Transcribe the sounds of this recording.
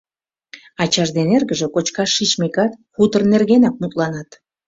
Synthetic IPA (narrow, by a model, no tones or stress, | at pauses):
ɑt͡ɕɑʒd̪enerɣəʒə̆kot͡ɕkɑʃːit͡ɕmekɑt̪xut̪ərnerɣenɑk̚mut̪lɑnɑt̪